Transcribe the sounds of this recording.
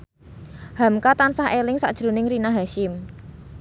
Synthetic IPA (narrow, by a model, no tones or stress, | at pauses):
ha̤mkat̪ansahelɪŋsa̰ʔd̥ʒ̥ɾṳnɪŋrinaɦaʃɪm